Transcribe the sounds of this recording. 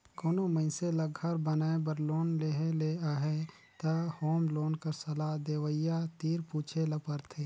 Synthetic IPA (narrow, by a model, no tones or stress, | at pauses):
koːnoməɪselɐɡʱəɾbənaːebəɾloːnleɦeleaːɦɛ | t̪ɐhoːmloːnkəɾsɐlad̪eːwəjat̪iːɾpuːt͡ʃʰelɐpəɾt̪ʰeː